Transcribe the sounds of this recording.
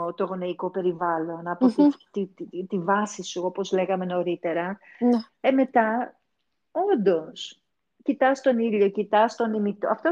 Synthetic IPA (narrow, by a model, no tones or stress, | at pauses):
t̪oɣo̞neiko̞pe̞ɾivɐlo̞nɐpot̪ft̪it̪ivɐsisuo̞po̞zle̞ɣɐme̞no̞ɾit̪e̞ɾɐ | eme̞t̪ɐ | o̞nd̪o̞s | cit̪ɐst̪o̞niʎo̞cit̪ɐst̪o̞nimit̪oɐft̪o